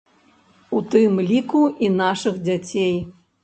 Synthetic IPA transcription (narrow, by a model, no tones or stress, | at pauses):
ut̪ɨmlʲikuinaʂɨɣd͡zʲat͡sʲej